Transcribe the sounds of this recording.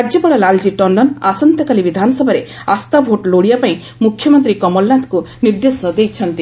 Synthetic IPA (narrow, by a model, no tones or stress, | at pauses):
ad͡ʒjɔpɔɭalald͡ʒiʈɔɳɖɔnasɔnt̪ɔkalibid̪ʱanɔsɔbʱaɾeast̪abʱoʈloɽijapaĩ | mukʰːjɔmɔnt̪ɾikɔmɔlnat̪ku | niɾd̪esɔd̪ejt͡ʃʰɔnt̪i